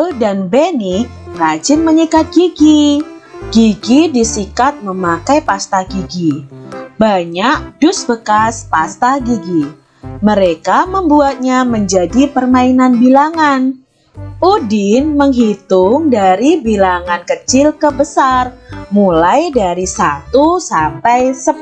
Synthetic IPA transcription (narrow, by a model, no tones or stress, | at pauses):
danbenɪk̚rad͡ʒɪnməɲikat̪̚ɡ̥iɡi | ɡ̥iɡidisikat̪̚məmakajpast̪aɡiɡibaɲak̚d̥ʊsbəkaspast̪aɡiɡi | məɾekaməmbuat̪̚ɲaməɲd͡ʒadipərmainanbilaŋan | ʔudɪnməŋɦit̪ʊŋdaɾibilaŋankət͡ʃɪlkəbəsarmulajdaɾisat̪usampajsə